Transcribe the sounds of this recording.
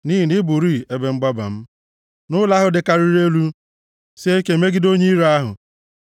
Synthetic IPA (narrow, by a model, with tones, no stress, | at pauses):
ni˦ɦi˨nɪ˦bu˨ɾi˦˨e˦be˨ŋ͡m̩˦ɡ͡ba˦ba̰˨m̩˦ | nʊ˦la˦ɦʊ˨dɪ˨ka˨ɾi˦ɾe˦lu˦ | se˦ke˨me˦ɡɪ˦do˦ɲe˦i˦ɾa˦ɦʊ̰˨